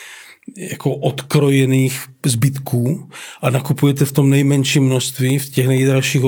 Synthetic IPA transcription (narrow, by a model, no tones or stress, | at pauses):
jakoʔot̪kɾojɛniːxzbɪt̪kʰuːʔanakupujɛt̪ɛft̪o̞mnɛjmɛnʃiːmːnost̪viːfcɛɣnɛjd̪ɾaʃiːɣ